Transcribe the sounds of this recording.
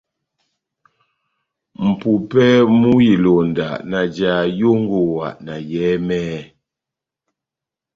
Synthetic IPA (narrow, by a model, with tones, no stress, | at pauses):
m̩˨pu˨pɛ˦mu˦ji˨lo˨n˨da̰˨ʔna˨d͡ʒa˨jo˦ŋ˦ɡo˨wa̰˨ʔna˨jɛː˨˦mɛː˦